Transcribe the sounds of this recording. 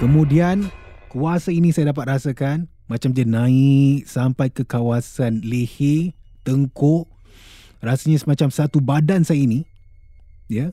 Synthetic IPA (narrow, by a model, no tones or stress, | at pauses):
kəmũdiankəasainĩsajadap̬at̪̚rasakan | mãt͡ʃamd͡ʒənãiksampajkəkawasanlihet̪əŋkʊʔ | rasaɲasəmat͡ʃamsat̪ubadansajaini | ja